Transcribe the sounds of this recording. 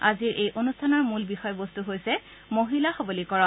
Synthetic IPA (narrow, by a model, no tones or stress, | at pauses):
aziɹʔejʔonustʰanɔɹmulbixɔjɔbostuɦojsɛ | moɦilaxɔbolikɔɹɔ